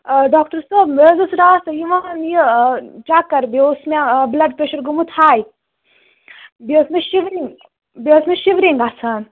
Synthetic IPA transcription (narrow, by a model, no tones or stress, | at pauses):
ɖaːk̚ʈɐɾsoːbmezɐsɾaːst̪ɐjiʋanjit͡ʃakɐɾbʲesmablɐɖpɾeʃɐɾɡumut̪ʰaːj | besmeʃiʋɾiŋɡ | bʲesmʲeʃiʋɾiŋɡasʰaːn